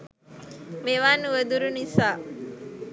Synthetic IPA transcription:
meʋanːuʋəd̪uɾunisaː

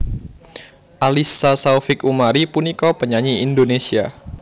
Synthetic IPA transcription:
ʔalisasaufɪkumaɾipunikɔpəɲaɲiindonesia

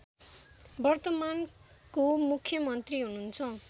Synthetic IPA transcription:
bʌrt̪ʌman | komukʰjʌmʌnt̪riɦununt͡sʰʌ

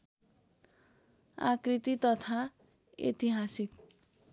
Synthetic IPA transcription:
a̰krit̪it̪ʌt̪ʰa | ḛt̪iɦasik̪

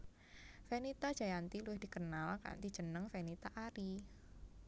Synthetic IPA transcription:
fenit̪ḁʒ̥ajant̪iluɪhd̥i̤kənalka̰nt̪i̥ʒ̥ənəŋfenit̪aʔaɾi

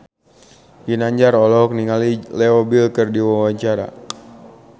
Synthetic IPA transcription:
ɡinaɲd͡ʒarɔlɔk̚niŋalilɛobilkərdiwawaɲt͡ʃaɾa̰

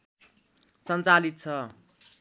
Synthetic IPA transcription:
sʌnt͡salit̪̚t͡sʰʌ

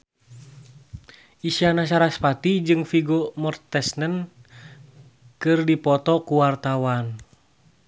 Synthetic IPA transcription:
ʔisianasaɾaspat̪id͡ʒɨŋfiɡɔmɔrt̪ɛsnən | kɨrdipɔt̪ɔkuwart̪awan

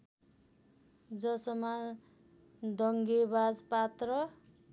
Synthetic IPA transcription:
d͡zʌsʌma | d̪ʌŋɡebad͡zpat̪rʌ

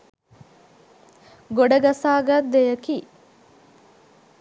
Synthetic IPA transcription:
ɡoɖəɡasaːɡad̪ːejəki

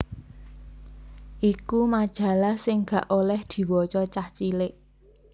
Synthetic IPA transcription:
ʔikumad̥ʒ̥ä̤lahsɪŋɡ̥a̤ʔolɛhd̪̥i̤wɔt͡ʃɔt͡ʃaht͡ʃilɪʔ

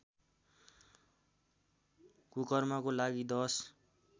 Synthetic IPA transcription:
kukʌrmakolaɡid̪ʌs

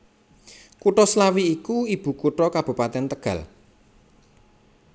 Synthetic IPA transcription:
kuʈɔslawiːkuib̥ṳkuʈɔkab̥ṳpat̪ɛnt̪əɡ̥ä̤̰l

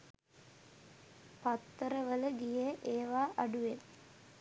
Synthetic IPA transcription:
pɐt̪ːəɾəʋələɡijeʔeːʋaːʔɐɖuʋen

